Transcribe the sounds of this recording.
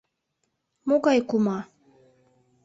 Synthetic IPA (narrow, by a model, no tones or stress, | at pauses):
moɡɑjkumɑ